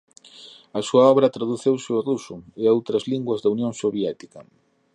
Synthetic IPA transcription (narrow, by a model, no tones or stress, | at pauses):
ɐsuɐɔβɾɐt̪ɾaðuθewsɪorusʊeowt̪ɾɐzliŋɡwɐzðɐunjõŋsoβjɛt̪ikɐ